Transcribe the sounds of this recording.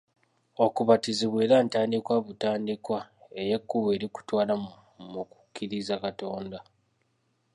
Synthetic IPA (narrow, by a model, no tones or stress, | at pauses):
o̞kuβatiziβweːɾantaːndikwaβutaːndikwae̞je̞kːuβe̞ːɾiku̥twaːlam | muku̥kʰːiɾizakato̞ːnda